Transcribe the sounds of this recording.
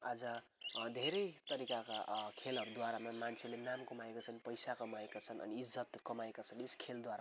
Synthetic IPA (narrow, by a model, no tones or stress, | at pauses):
ad͡zʌ | d̪ʱeɾʌjt̪ʌɾikakakʰelʌɾud̪waɾamamant͡sʰelenamkʌmaekat͡sʰʌnpʌjsakʌmaekat͡sʰʌnʌ̰niːd͡zːʌt̪kʌmaekat͡sʰʌneskʰeld̪waɾa